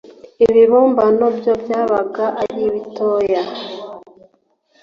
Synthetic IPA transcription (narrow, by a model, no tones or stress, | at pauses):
iβiβoːmbanobjobjaːβaɡaʔaɾiβitojja